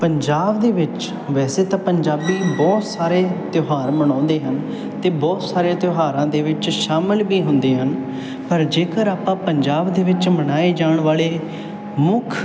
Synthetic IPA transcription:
pəɲd͡ʒaːbd̪eːʋɪt͡ʃ | ʋɛːseːt̪ãːpəɲd͡ʒaːbiːbɔːt̪saːɾeːt̪joɦaːɾməñɔ̃ːnd̪eːɦən | t̪eːbɔːt̪saːɾeːt̪joɦaːɾãːd̪eːʋɪt͡ʃʃaːməlbiːɦʊ̃nd̪eːɦən | pəɾd͡ʒeːkəɾaːpãːpəɲd͡ʒaːbd̪eːʋɪt͡ʃmənaːeːd͡ʒaːɳʋaːleː | mʊkʰ

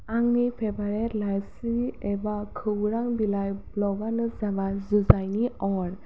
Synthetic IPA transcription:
aŋnipʰebaɾɛɾlajsiɛbakʰɯwɾaŋbilajblɔɡanɯzabazuzajniɔɾ

